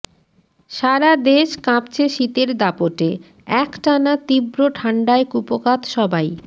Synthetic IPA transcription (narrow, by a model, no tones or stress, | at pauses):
ʃaɾad̪eʃkãpt͡ɕʰeʃit̪eɾd̪apoʈe | ɛkʈanat̪ibɾoʈʰaɳɖaekupokat̪ʃɔbaj